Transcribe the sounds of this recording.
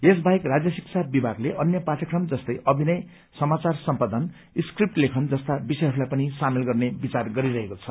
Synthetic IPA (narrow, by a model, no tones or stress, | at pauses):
esbajkrad͡zjʌsikt͡sʰabibʱaɡleʔʌnjʌpaʈʰʌkrʌmd͡zʌst̪ʌjʔʌbʱinʌj | sʌmat͡sarsʌmpad̪ʱʌn | iskrip̚ʈlekʰʌnd͡zʌst̪abisʌjɦʌɾulajpʌnisamelɡʌrnebit͡sarɡʌɾiɾʌɦekot͡sʰʌ̥